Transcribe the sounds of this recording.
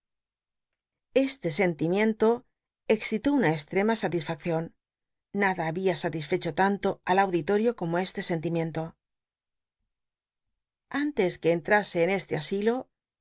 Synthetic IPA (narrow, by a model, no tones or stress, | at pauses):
e̞st̪e̞s̬e̞nt̪imjẽ̞nt̪o̞ | e̞ksθit̪o̞unaest̪ɾe̞masat̪isfak̚θjo̞nː | aðaːβiasat̪isfe̞t͡ʃo̞t̪ant̪o̞alawðit̪o̞ɾjo̞ko̞mo̞e̞st̪e̞se̞nt̪̬imjẽ̞nt̪o̞ | ant̪e̞ske̞ːnt̪ɾase̞ːne̞st̪easilo̞